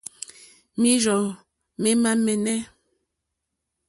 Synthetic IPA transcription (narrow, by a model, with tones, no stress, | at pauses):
mi˦zɔ˨ | me˦ma˦mɛ˨nɛ˦